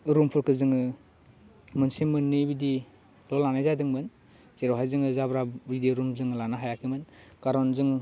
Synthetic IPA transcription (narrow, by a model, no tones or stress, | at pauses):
ɾumpʰɯɾkʰɯzɯŋɯ | mɯnsimɯnːibidi | lɔlanajzadɯŋmɯn | zeɾɔwɦajzɯŋɯzabɾabidiɾumzɯŋlanaɦajakʰimɯnkaɾɔnzɯŋ